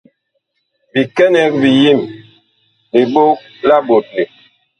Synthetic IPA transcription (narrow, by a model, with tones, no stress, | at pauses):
bi˨kɛ˦nɛ˨˦k̚bi˨ji˦˨m | bi˨ɓo˦k̚ | la˦ɓo˨t̚le˨